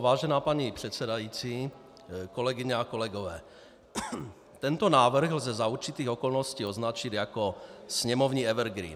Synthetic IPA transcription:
ʋaːʒɛnaːpaɲipr̥ɛt̪sɛd̪ajiːt͡si | kɔlɛɡiɲaakɔlɛɡɔʋɛː | t̪ɛnt̪ɔnaːʋr̩ɣlzɛzauɾt͡ʃit̪iːɣɔkɔlnɔsciːɔznat͡ʃid̪jakɔsɲɛmɔʊɲiːɛʋɛɾɡɾḭːn

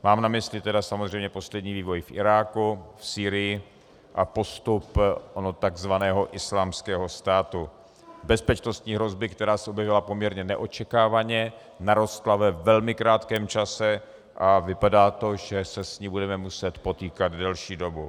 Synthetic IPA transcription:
maːmnamɪslɪt̪ɛdasamozr̝ɛjmɲɛpo̞slɛdɲiːviːvo̞jfʔɪ̰ɾaːkufsiːɾɪjɪ | ʔapo̞st̪upʔonot̪aɡzvanɛːɦo̞ʔɪslaːmskɛːɦo̞st̪aːt̪u | bɛspɛt͡ʃno̞st̪ɲiːɦɾo̞zbɪkt̪ɛɾaːsɛʔobjɛvɪlapo̞mɲɛɾɲɛnɛʔot͡ʃɛkaːvaɲɛ | naɾo̞st̪lavɛvɛlmɪkɾaːt̪kɛːmt͡ʃasɛ | ʔavɪpadaːt̪o̞ʒɛsɛsɲiːbudɛmɛmusɛt̪po̞t̪iːkad̪dɛlʃiːdo̞bu

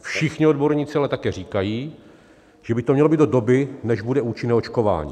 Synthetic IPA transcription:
fʃɪxɲɪodbo̞ɾɲiːt͡sɪalɛt̪akɛːɾiːkajiː | ʒ̥ɛbɪt̪omɲɛlobiːd̪dodo̞bɪnɛʒbudɛuːt͡ʃɪnɛːo̞t͡ʃko̞va̰ːɲḭː

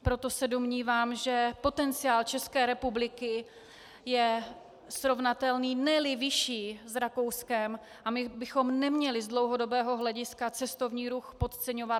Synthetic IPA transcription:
pɾo̞t̪o̞sɛdomɲiːvaːmʒɛpo̞t̪ɛnt͡sɪaːlt͡ʃɛskɛːɾɛpublɪkɪ | jɛ | sɾo̞vnat̪ɛlniːnɛlɪvɪʃiːzɾako̞wskɛm | ʔamɪbɪxo̞mnɛmɲɛlɪzdlo̞wɦodo̞bɛːɦo̞ɦlɛɟɪskat͡sɛst̪o̞vɲiːɾuxpo̞t̪t͡sɛɲo̞va

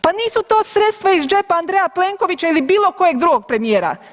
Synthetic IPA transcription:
paniːsut̪o̞ːsɾe̞t̪st̪ʋaizd͡ʒe̞paand̪ɾejapleŋkoʋit͡ʃailibiːlˠo̞ko̞jeɡ̚d̪ɾuɡo̞ɡ̚pɾe̞mijeːɾa̰

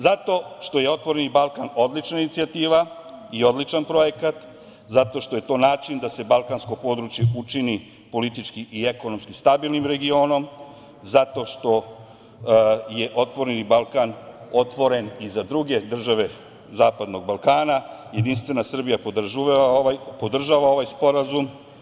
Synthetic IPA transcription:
zat̪o̞ʃt̪o̞je̞o̞t̪ʋo̞ɾenibalˠkano̞d̪lit͡ʃnainit̪siat̪iːʋa | io̞d̪lit͡ʃanpɾo̞jekat̪ | zat̪o̞ʃt̪o̞je̞t̪o̞ːnaːt͡ʃind̪ase̞balˠkansko̞po̞d̪ɾut͡ʃje̞ut͡ʃini | po̞lit̪it͡ʃkiʔieko̞nomskist̪abilˠnimɾe̞ɡio̞ːno̞m | zat̪o̞ʃt̪o̞ | je̞ʔo̞t̪ʋo̞ɾenibalˠkano̞t̪ʋo̞ɾe̞nizad̪ɾuɡe̞d̪r̩ʒaʋe̞ | zaːpad̪no̞ɡ̚balˠkaːna | je̞d̪inst̪ʋe̞nasr̩bijapod̪ʒuajpo̞d̪r̩ʒaːʋao̞ʋajspo̞ɾazum

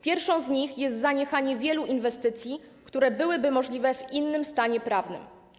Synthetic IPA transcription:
pʲjɛɾfʂɔ̃w̃zɲixjɛst̪zaɲɛxaɲɛvʲjɛluʔinvɛst̪ɘt̪sʲji | kt̪uɾɛbɘwɘbɘmɔʐlʲivɛvinːɘmst̪aɲɛpɾavnɘ̰m

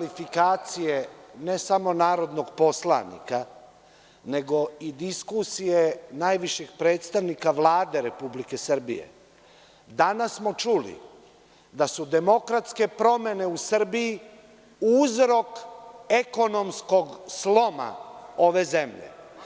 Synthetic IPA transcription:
lifikaːt̪sije̞ne̞samo̞naːɾo̞d̪no̞ɡpo̞slˠa̰nḭka | ne̞ɡo̞id̪iskusijenaːjʋiʃeɡpɾe̞ːt̪st̪aʋnikaʋlˠaːd̪e̞ɾe̞publike̞sr̩bḭje̞̰ | d̪anasːmo̞t͡ʃulḭ | d̪asud̪e̞mo̞kɾat̪ske̞pɾo̞me̞ne̞usr̩biji | uzɾo̞ke̞ko̞no̞msko̞ɡslo̞ma̰o̞ʋe̞ze̞mʎḛ

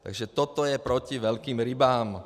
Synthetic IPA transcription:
t̪a̰ɡʒɛt̪ɔt̪ɔjɛpɾɔciʋɛʎkiːmɾibaːm

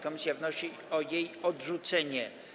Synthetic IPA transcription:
kɔmʲisʲjavnɔɕi | ɔjejɔdʐut̪sɛɲɛ

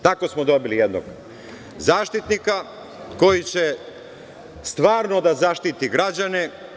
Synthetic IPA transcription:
t̪ako̞smod̪o̞bilijed̪no̰ɡ | zaːʃt̪it̪nika | ko̞jit͡ɕe̞ | st̪ʋaːɾno̞d̪azaʃt̪it̪iɡɾad͡ʑane̞

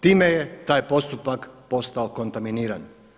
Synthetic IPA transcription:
t̪iːme̞je̞t̪aːjpo̞st̪upakpo̞st̪ao̞ko̞nt̪aminiːɾan

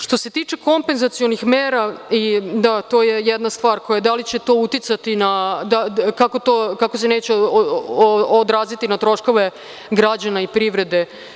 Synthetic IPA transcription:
ʃt̪ose̞t̪iːt͡ʃeko̞mpe̞nzat̪sijo̞nixmeːɾaid̪at̪o̞ːjejɛd̪nast̪ʋaːɾkojad̪alit͡ɕe̞t̪o̞ut̪it̪sat̪inad̪akako̞t̪o̞ːkakos̬eneːt͡ɕeo | od̪ɾaːzit̪inat̪ɾo̞ʃko̞ʋe̞ | ɡɾad͡ʑanaipɾiʋɾe̞d̪e̞

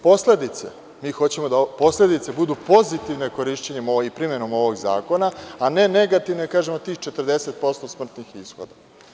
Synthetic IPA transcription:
po̞sled̪it̪se̞̰ | miːxo̞t͡ɕe̞mo̞d̪aopo̞sle̞d̪it̪se̞bud̪upo̞zit̪iʋne̞ko̞ɾiʃt͡ɕeɲemoipɾime̞no̞mo̞ʋoɡza̰ːko̞naane̞ne̞ɡat̪iʋneakaːʒemot̪iːxt͡ʃe̞t̪r̩d̪e̞se̞t̪̚po̞st̪o̞smr̩t̪nixisxo̰d̪a

